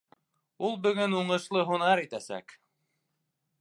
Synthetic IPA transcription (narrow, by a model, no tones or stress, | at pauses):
ulˠbɵ̆ɡɵnuɴɤ̆ʃlˠɤɦunɑɾit̪æsæ̰k